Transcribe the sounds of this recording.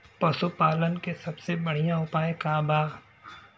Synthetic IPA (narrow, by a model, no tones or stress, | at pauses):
pɐsupaːlənkesɐbsebɐɽ̤ijãʊpaːekaːbaːɡ